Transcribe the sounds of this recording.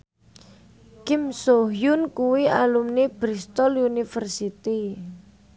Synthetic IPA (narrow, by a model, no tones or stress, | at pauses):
kimsoɦjʊnkuwialumneb̥ɾist̪ɔlunifərsit̪i